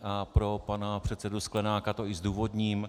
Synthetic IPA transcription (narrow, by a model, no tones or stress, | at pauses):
ʔapɾo̞panapr̝̥ɛt̪sɛdusklɛnaːkat̪o̞ɪzduːvo̞dɲiːm